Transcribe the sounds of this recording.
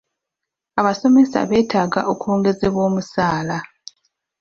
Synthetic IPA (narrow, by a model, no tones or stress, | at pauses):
aβaso̞me̞sa̰βe̞ːtʰaːɡa̰ʔokuoːŋɡe̞zeβwo̞ːmusaːla